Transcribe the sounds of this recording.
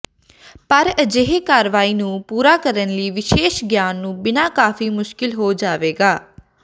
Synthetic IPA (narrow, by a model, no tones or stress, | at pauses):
pəɾəd͡ʒeɦekaːɾʋaːiːnũːpuːɾaːkəɾənliːʋɪʃeːʃɡjaːnːũːbɪnaːkaːfiːmʊʃkɪlɦoːd͡ʒaːʋeːɡaː